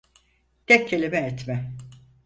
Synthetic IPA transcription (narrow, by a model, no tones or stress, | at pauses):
d̪̥ɛk̚ʰːelʲimɛːt̪mɛ